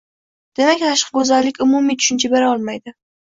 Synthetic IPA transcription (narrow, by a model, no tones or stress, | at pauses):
d̪̥e̞makʲnaʃqɡɵzalːɪkʲʊmʊmijt̪ʰʊ̥ʃɪnt͡ʃʰabeɾɒlˠmajd̪ɪ